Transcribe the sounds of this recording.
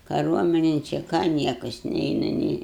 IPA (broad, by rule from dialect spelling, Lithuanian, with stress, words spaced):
kɐˈruɔmʲɪnʲɪn t͡ʃʲɛ ˈkɑː ˈnʲiɛkɐs ˈnʲɛɪnɐ nʲɛɪ